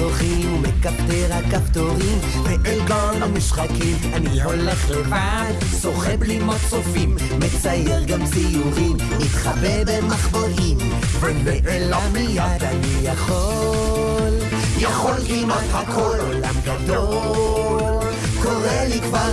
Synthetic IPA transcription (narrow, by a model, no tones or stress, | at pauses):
oχimumekapt̪eʁakapt̪oʁim | meʔelɡanamiʃχakimanihole̞χleva | d̪ | so̞χeblimat͡sofimːet͡sajeʁɡamsijuʁim | it̪χabebemaχboʔim | vemeʔelamijad̪anijaχo | l | jaχolkimathakʰololamɡad̪o | ko̞ʁelikva